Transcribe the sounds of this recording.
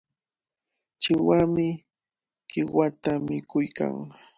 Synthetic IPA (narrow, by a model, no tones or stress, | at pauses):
t͡ʃɪwamɪ | kɪwat̪amɪkʊjka̰ŋ